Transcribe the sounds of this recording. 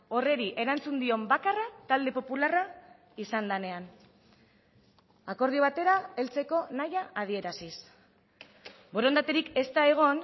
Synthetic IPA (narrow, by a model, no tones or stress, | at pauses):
o̞re̞ɾiʔe̞ɾant͡sund̪io̞mbakarat̪ald̪e̞po̞pulara | isand̪ane̞an | ako̞ɾð̞ioβ̞at̪e̞ɾae̞lt͡se̞ko̞najaʔað̞ie̞ɾasis | bo̞ɾo̞nd̪at̪eɾike̞st̪ae̞ɣ̞o̞n